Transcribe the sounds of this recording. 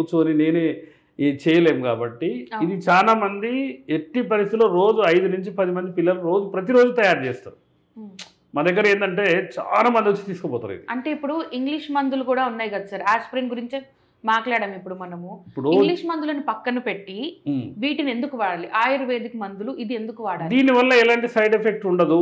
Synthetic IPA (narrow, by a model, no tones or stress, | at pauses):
t͡ʃuːɐnine̞ːne | t͡ʃɛːjɐleːmukaːbɐʈːiid̪it͡ʃaːlaːmɐnd̪ieʈːipɐɾist̪ilo̞ːɾo̞ːd͡ʒuɐjd̪unuɲt͡ʃipɐd̪imɐnd̪ipilːɐluɾo̞ːd͡ʒupɾɐt̪̬iɾo̞ːd͡ʒut̪ɐjaːɾt͡ʃeːst̪a̰ːɾu | mɐd̪ɛɡːɐɾe̞ːnd̪ɐɳʈe̞ːt͡ʃa̰ːlaːmɐnd̪iʋot͡ʃːi̥t̪iːsu̥kobɔːt̪a̰ɾṵḭd̪iɐɳʈe̞ːipːuɽuʔiŋɡliʂmɐnd̪ulukuːɽaːunːaːjkɐd̪ɐsɐɾaːspɾinɡuɾiɲt͡ʃe | maːklaːɽɐmipːuɽumɐnɐmuipːuɽuiŋɡliːʂmɐnd̪ulɐːnipɐkːɐnupe̞ʈːiʋiːʈine̞nd̪ukuʋaːɽaːliʔaːjɐɾɐʋe̞ːd̪ʱikɐmɐnd̪uluʔid̪ie̞nd̪ukuʋaːɽaːld̪iːniʋɐlːɐɛlaːɳʈisɐjɖepʰek̚ʈuɳɖɐd̪u